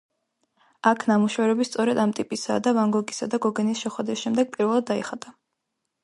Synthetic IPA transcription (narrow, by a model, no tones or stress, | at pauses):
akʰnamuʃɛvɾɛbist̪sʼɔɾɛd̪amt̪ʼipʼisa̰d̪avaŋɡɔɡisad̪aɡɔɡɛnisʃɛχwɛd̪ɾisʃɛmd̪ɛɡ̥̚pʼiɾvɛlˠad̪ːaiχad̪ʼa